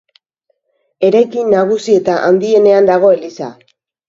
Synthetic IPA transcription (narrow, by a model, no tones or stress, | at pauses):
e̞ɾajkinːaɣusie̞t̪aʔa̰nd̪ie̞ne̞and̪aɣ̞o̞e̞lisa̰